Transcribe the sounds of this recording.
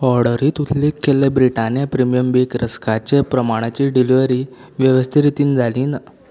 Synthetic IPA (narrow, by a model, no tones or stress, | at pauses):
ɔɾɽəɾiːt̪ut̪lekʰːelːebɾiʈanjapɾimijəmbikɾəskʰat͡ɕepɾəmaɽ̃at͡ɕiːɖiliʋəɾiːʋjəʋəst̪ʰiɾit̪iːnd͡zʱaliːna